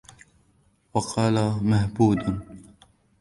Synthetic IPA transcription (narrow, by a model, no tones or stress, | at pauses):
wɑqʰɑːlamahbuːd̪